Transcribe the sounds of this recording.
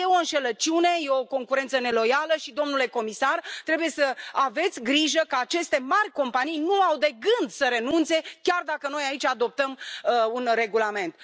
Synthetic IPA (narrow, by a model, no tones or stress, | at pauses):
jeoɨnʃe̞lət͡ʃune̞jeoko̞ŋkuɾe̞nt̪səne̞lo̞jaləʃid̪o̞mnule̞ko̞misart̪ɾe̞buje̞səave̞t̪sʲɡɾiʒəkəat͡ʃe̞st̪e̞marʲko̞mpanijnuawd̪e̞ɡɨnd̪səɾe̞nunt̪se̞kʲard̪akəno̞jait͡ʃʲad̪o̞p̚t̪əmunre̞ɡulame̞nt̪